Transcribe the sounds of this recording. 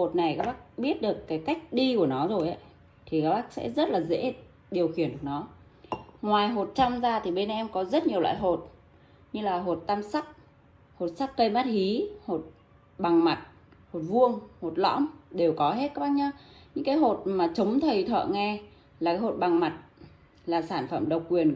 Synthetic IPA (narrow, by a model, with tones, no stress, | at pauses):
ho˨˩t̚na˨˩jkaː˦˥k̚ɓaː˦˥k̚ɓi˦˥ət̚ɗɨ˨˩əkːaː˨˦jka˦˥jk̟̚ɗi˧ku˧˩ənɔ˨˦zo˨˩jʔə˨˦ | t̪ʰi˨˩kaː˦˥k̚ɓaː˦˥k̚sɛ̰˧˥zə˦˥t̚laː˨˩zḛ˧˥ | ɗi˨˩əwxi˧˩ən˨˩nɔ˨˦ | ŋwaː˨˩jɦo˨˩t̚t͡ɕa˧wmzaː˧t̪ʰi˨˩ɓe˧nʔɛ˧mkɔ˨˦zə˦˥t̚ɲi˨˩əwla̰ː˧˨jɦo˨˩t̚ | ɲɨ˧laː˨˩ɦo˨˩t̚t̪aː˧msa˦˥k̚ | ho˨˩t̚sa˦˥kkə˧jmaː˦˥t̚hi˨˦ho˨˩t̚ | ɓa˨˩ŋma˨˩t̚ | ho˨˩t̚vu˧əŋho˨˩t̚lɔ̰˧˥mɗe˨˩wkɔ˨˦ɦe˦˥t̚kaː˦˥ɓaː˦˥k̚ɲa˧ɲɨ̰˧˥ŋkaː˨˦jɦo˨˩t̚maː˨˩t͡ɕə˨˦wŋ͡mt̪ʰə˨˩jt̪ʰə̰ː˧˨ŋɛ˧ | laː˨˩kaː˨˦jɦo˨˩t̚ɓa˨˩ŋma˨˩t̚ | laː˨˩saː˧˩nfə̰˧˩mɗə˨˩wk͡p̚kwi˨˩ən